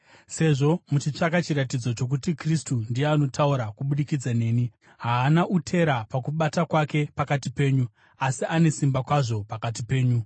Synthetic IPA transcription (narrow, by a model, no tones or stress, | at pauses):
se̞ʐo̞mut͡ʃit͡ʂakat͡ʃiɾatid͡zo̞t͡ʃo̞k̬utikristundijeano̞tauɾakuɓuɗikid͡zane̞ːni | ɦaːnaʔutʰe̞ɾapakuɓatakwake̞pakatipe̞ːɲu | asiʔane̞simbakwaʐo̞pakat̬ipe̞ːɲu